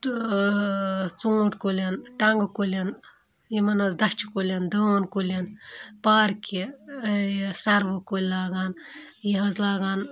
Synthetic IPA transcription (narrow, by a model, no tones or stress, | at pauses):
t͡suːʈkolʲɐnʈɐŋɡɨkolʲɐn | jimɐnɐzd̪ɐt͡ʃʰi̥kolʲɐnd̪ənkolʲɐnpaːɾkʲi | sɐɾʋɨkolʲlaːɡaːnjiɦɐzlaːɡaːn